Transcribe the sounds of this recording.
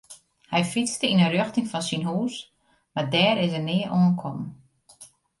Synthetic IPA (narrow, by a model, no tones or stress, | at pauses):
hɛjfit͡stəinərøxtɪŋfɔnsinɦuːs | madɛːɾɪsənɪəʔoənkʰɔm